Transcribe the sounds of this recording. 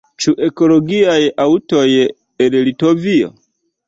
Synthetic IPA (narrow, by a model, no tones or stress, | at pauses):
t͡ʃuʔe̞ko̞loɡiajautoj | enlitovio̰